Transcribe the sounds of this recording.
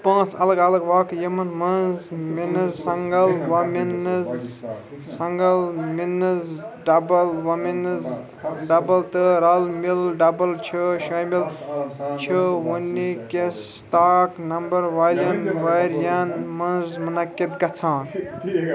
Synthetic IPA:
pãːt͡sʰɐ̰ləɡɐlɐɡʋaːkjɐmɐnmɐnzminɨzsɐŋɡɐlwɐminz | sɐŋɡɐlminɨzɖɐbɐlwɐminɨz | ɖɐbɐlt̪ɨɾɐlmilɖɐbɐlt͡ʃʰuʃɐjmil | t͡ʃʰəwunːikes | ʈaːknɐmbɐɾʋaljɐnʋɐjɾjɐnmɐnzmɐnɐket̪̚ɡɐt͡sʰãːn

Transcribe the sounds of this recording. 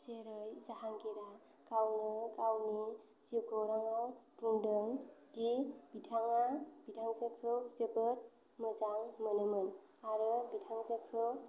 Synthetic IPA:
zeɾɯjzaɦaŋɡiɾa | kawnɯkawni | z̥iɡɔwɾaŋawtuŋdɯŋdibitʰaŋab̥itʰaŋzəkʰɯwzebɯt̚ | mɯzaŋmənɯmɯn | aɾɯbitʰaŋzakʰɯw

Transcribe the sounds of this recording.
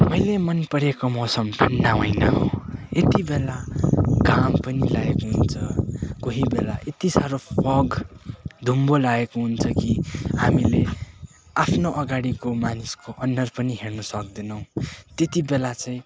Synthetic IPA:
mʌjlemʌnpʌɾekomosʌmpʰʌnːaɦojna̰ɦo̰et̪ibelaɡampʌnilaekoɦunt͡sʰʌkoɦibela̰ʔet̪isaɾopʌɡ | d̪ʱumbolaekoɦunt͡sʰʌkihamile | apʰnoʔʌɡaɽikomaniskoʔʌnːʌrpʌniɦernʌsʌk̚d̪inʌw̃t̪et̪ibelat͡saĩ

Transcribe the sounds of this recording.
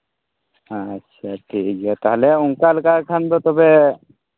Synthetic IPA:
ətːʃʰaʈʰikɦɛt̪aɦleʊŋkalkakʰand̪ɔt̪ɔbe

